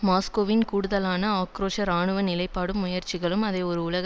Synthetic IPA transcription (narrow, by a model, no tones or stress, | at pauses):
maːskoːʋɪnkuːɽɯðɐlaːnɐaːkɾoːʂɐɾaːɳɯʋɐnɪlɐɪpːaːɽɯmːʊjɐɾt͡ʃɪɣɐɭɯmɐðɐɪɔɾɯʊlɐɣɐ